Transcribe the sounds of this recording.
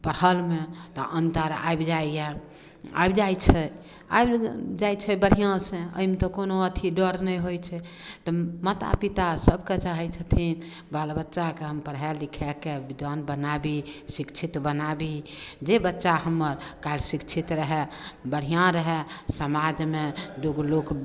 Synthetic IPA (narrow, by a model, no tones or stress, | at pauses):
pəɾhəlmet̪ɔʔənt̪əɾa̰jbd͡ʒajja | a̰bd͡ʒajt͡ʃʰɛ | a̰jbd͡ʒajt͡ʃʰɛbəɽ̤ijãsẽə̰ɦimet̪ɔkonoət̪ʰiɖəɾnɛjɦojt͡ʃʰɛ | t̪ɔmət̪a̰pit̪asəbʱket͡ʃaɦɛt͡ʃʰət̪ʰin | balbətːʃakeɦəmpəɾɦɛlikʰɛkebid̪anbənabisikt͡ʃʰit̪bənabid͡ʒebətːʃahəmːəɾkaɾsikt͡ʃʰit̪ɾəɦɛbəɽ̤ijãɾəɦɛsəmad͡ʒmed̪oɡlok